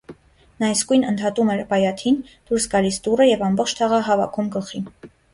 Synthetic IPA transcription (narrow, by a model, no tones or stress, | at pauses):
nɑjskujnənt̪ʰhɑt̪umɛɾbɑjɑt̪ʰind̪̥uɾsɡɑlisd̪urəjɛvɑmbɔχt͡ʃʰt̪ʰɑʁɑɦɑvɑ̰kʰumɡəχin